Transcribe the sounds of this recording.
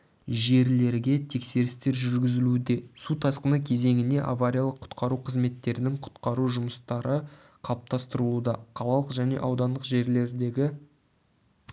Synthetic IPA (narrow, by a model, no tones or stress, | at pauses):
ʒe̞ɾle̞ɾɡʲe̞t̪ʰe̞kse̞ɾɪst̪e̞ɾʒʏɾɡʲɪzɪlud̪e̞sut̪ʰɑsqənəkʲʰe̞ze̞ŋɪne̞ʔa̰vaɾʲijalˠəqʰːʊ̥t̪qɑɾuqʰəzme̞t̪ːe̞ɾɪnɪŋqʰʊ̥t̪qɑɾuʒʊməst̪ɑɾə | qʰɑlˠəp̚t̪ʰɑst̪əɾəlˠud̪ɑqʰɑlˠɑlˠəqʒæne̞̰ʔɑwd̪ɑnd̪əqʒe̞ɾle̞ɾd̪e̞ɡʲɪ